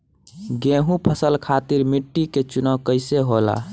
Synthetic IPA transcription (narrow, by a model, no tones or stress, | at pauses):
ɡẽɦũpʰəsəlkʰat̪iɾmiʈːiket͡ʃunəwkəɪseɦola̰